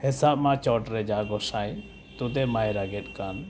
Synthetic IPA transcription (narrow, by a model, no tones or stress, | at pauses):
hɛsap̚mat͡ʃɔʈɾɛd͡ʒaɡɔsaj | t̪ut̪ɛmajɾaɡɛt̪̚ˀkan